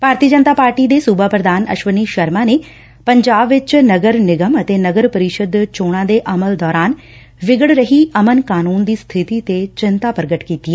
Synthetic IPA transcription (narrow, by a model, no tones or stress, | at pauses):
b̥ʱaːɾt̪iəd͡ʒənt̪aːpaːɾʈiːd̪eːsuːbaːpɾəd̪aːnə̰ʃʋəniːʃəɾmãːneː | pəɲd͡ʒaːbʋɪt͡ʃnəɡəɾnɪɡəmət̪eːnəɡəɾpəɾɪʃəd̪t͡ʃoːɽ̃ãːd̪eːʔəməld̪ɔːɾaːn | ʋɪɡəɽɾəɦiːʔəmənkaːnuːnd̪iːst̪ʰɪt̪iːt̪et͡ʃɪnt̪aːpəɾəɡəʈkiːt̪iɛː